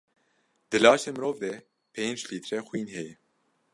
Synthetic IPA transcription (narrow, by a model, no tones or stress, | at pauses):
d̪̥ɨlɑːʃeːmɨɾoːvd̪ɛ | pʰeːnd͡ʒliːt̪ʰɾɛxʷwiːnɦɛjɛ